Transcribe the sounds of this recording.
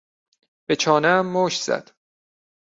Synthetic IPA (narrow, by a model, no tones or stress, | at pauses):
b̥et͡ʃʰɒːnæmːoːʃz̥æ̰d̪̥